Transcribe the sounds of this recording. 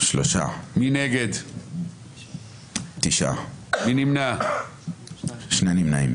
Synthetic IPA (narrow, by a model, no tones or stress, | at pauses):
ʃloʃa̰mineɡed̪ | t̪iʃa̰minimna | ʃnejnimnaim